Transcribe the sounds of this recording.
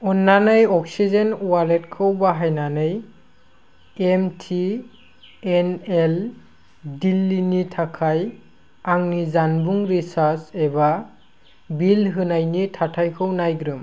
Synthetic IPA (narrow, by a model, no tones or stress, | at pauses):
ɔnːanɯjɔk̚sizenwalet̚kʰɯwbaɦajnanɯj | emtʰi | enel | dilːinitʰakʰaj | aŋnizanbuŋɾisaɾseba | bilɦɯnajnitʰatʰajkʰɯwnajɡɾɯm